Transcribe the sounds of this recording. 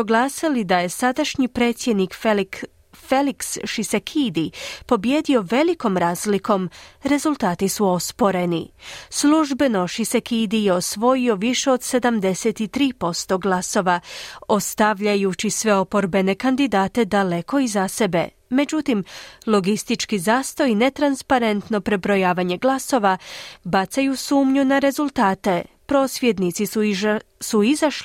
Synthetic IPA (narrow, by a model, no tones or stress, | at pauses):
oɡlˠaːsilid̪aje̞sad̪aʃɲipɾeːt̪sje̞d̪nik | feliksʃisekʰid̪ipo̞bje̞ːd̪io̞ʋe̞liko̞mɾaːzlikʰo̞mɾe̞zulˠt̪aːt̪isuo̞spo̞ɾe̞nḭsluʒbe̞no̞ʃisekʰid̪ijeo̞sʋo̞jio̞ʋiʃe̞od̪se̞d̪amd̪e̞set̪it̪ɾiːpo̞st̪o̞ɡlˠaso̞ʋao̞st̪aʋʎajut͡ɕisʋe̞o̞po̞ɾbe̞ne̞kand̪id̪aːt̪e̞d̪ale̞ko̞izase̞be̞̰ | me̞d͡ʑut̪imlˠo̞ɡist̪it͡ʃkizaːst̪o̞ine̞t̪ɾanspaɾe̞nt̪no̞pɾe̞bɾo̞jaːʋaɲe̞ɡlˠaso̞ʋabat̪sajusuːmɲunaɾe̞zulˠt̪aːt̪e̞ | pɾo̞ːsʋjed̪nit̪siusuizaʃli